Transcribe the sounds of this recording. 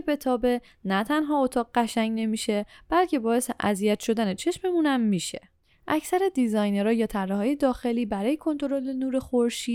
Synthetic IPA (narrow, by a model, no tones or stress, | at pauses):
be̞t̪ʰɒːbe̞ | næt̪ʰænɦɒːot̪ʰɒːɣɢæʃæɲɟne̞miːʃe̞b̥ælcʰe̞bɒːje̞seʔæ̰zijæt̪ʃo̞d̪æne̞t͡ʃʰe̞ʃmemunæmːiːʃe̞̥̰ | ʔæcʰsæɾed̪izɒjneɾɒːjɒːt̪ʰærːeɦɒːje̞d̪ɒːxe̞liːbæɾɒːje̞kʰo̞nt̪ʰo̞ɾo̞lenuːɾe̞xoɾʃi̥ː